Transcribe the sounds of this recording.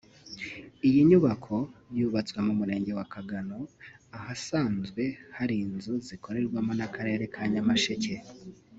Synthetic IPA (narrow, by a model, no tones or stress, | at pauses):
ijiɲuβakʰo̞juːβat͡swemumuɾe̞ːɲɟe̞wakaɡano̞ahasaːnzɡwe̞haɾiːnzuziko̞ɾe̞ɾɡwamo̞nakaɾe̞ːɾe̞kʰaɲamaʃece̞